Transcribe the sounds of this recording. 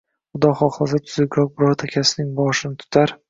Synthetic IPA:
ʊd̪ɒχɒχlˠasd̪at̪ʰʊzɪɡʲɾɒk̚bɪɾɒɾt̪ʰakʲʰasɪnɪŋbɒʃɪnɪt̪ʰʊ̥t̪ʰaɾ

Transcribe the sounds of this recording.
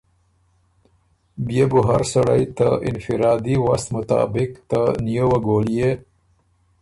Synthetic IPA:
bjebuɦaɾsaɽajt̪aʔɪ̰nfɪɾɑːd̪iwast̪mʊt̪ɑ̰ːbɪkt̪anijowaɡoːlije

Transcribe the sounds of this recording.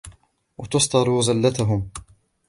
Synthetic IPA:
wat̪ʊst̪ˤɑɾˤuːzalːat̪aɦʊm

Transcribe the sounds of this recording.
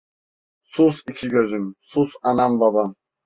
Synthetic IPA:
susicʰiɡʲøzymsusɑnambabam

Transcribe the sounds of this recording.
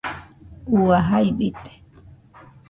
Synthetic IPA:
uaɦaiɓit̪e̥

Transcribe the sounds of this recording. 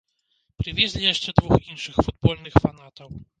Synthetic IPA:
pɾɨvʲjɛzʲlʲijɛʂt͡ʂɛd̪vuxinʂɨxfud̪̚bɔlnɨxfanat̪ɔw

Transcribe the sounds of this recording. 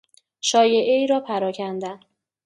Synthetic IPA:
ʃɒːje̞ʔeiːɾɒːpʰæɾɒːcʰænd̪æn

